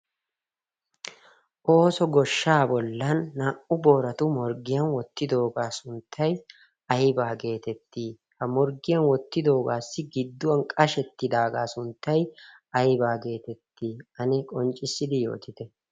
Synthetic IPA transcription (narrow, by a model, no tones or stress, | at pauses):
ʔo̞ːsɔɡɔʃːaːbɔlːɐnːaːʔʊbo̞ːɾɐt̪ʊmɔɾɡɪjɐnwɔt̪ːɪd̪o̞ːɡaːsʊnt̪ʰːɐj | ɐjbaːɡe̞ːt̪ɛt̪ːiː | hɐmɔɾɡɪjɐnwɔt̪ːɪd̪o̞ːɡaːsːɪɡɪd̪ːʊwɐnkʼɐʃɛt̪ːɪd̪aːɡaːsʊnt̪ːɐj | ɐjbaːɡe̞ːt̪ɛt̪ːiːɐnɛkʼɔnt͡ʃʼːɪsːɪd̪ɪjo̞̰ːt̪ɪt̪ɛ